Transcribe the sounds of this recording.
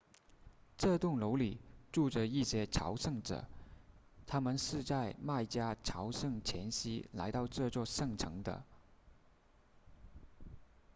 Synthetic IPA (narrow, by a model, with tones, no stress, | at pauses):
ʈ͡ʂɤ˥˧t̪ʊ˥˩ŋlo˧˥ʊli˨˩ʈ͡ʂu˥˩ʈ͡ʂə˩i˥˩ɕjɛ˥ʈ͡ʂʰɑ̰˧˥ʊʂɤ˥˩ŋʈ͡ʂɤ̰˨˩˦ | t̪ʰa˥mə˨nʂɻ̩˥˧t͡sa˥˧ɪma˥˩ɪt͡ɕja˥ʈ͡ʂʰɑ˧˥ʊʂɤ˥˩ŋt͡ɕʰjɛ̰˧˥nɕi˥la̰˧˥ɪt̪ɑ˥˧ʊʈ͡ʂɤ˥˧t͡swɔ˥˧ʂɤ˥˩ŋʈ͡ʂʰɤ˧˥ŋd̪ə̰˧